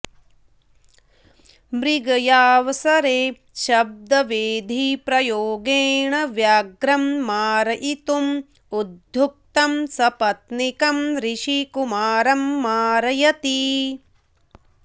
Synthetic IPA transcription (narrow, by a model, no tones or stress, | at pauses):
bɾiɡɐjaːʋɐsɐɾeː | ʃɐb̚d̪ɐʋeːd̪ʱipɾɐjoːɡeːɳɐʋjaːɡɾɐmːaːɾɐʔit̪um | ud̪ʱjuk̚t̪ɐmsɐpɐt̪nikɐmɾiʃikumaːɾɐmːaːɾɐjɐt̪i